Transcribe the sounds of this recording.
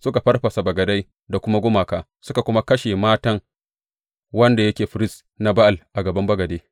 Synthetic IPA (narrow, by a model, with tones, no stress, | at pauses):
sʊ˦ka˨ɸɐ˦rɸɐ˨sa˨bɐ˨ɡɐ˨da˦j | da˨kʷʊ˦ma˦ɡʷʊ˦maː˨kaː˨ | sʊ˦ka˨kʷʊ˦ma˦kɐ˦ʃe˨maː˦tɐ˦ŋ | wɐ˦nda˨jɐ˦kʲeː˨ɸɪ˨ɾɪ˦s | na˨ba˦ʔa˨lʔa˨ɡɐ˨bɐ˦mbɐ˦ɡɐ˨deː˦